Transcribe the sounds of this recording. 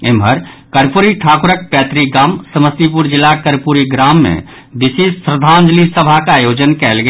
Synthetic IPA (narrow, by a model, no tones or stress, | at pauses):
emɦəɾ | kəɾpuɾiʈʰakuɾək̚pɛt̪ɾiɡaːmsəməst̪ipuɾd͡ʒilːakəɾpuɾiɡɾamːḛ | bisespɾəd̪ʱand͡ʒlisəbʱakajod͡ʒənkɛlɡe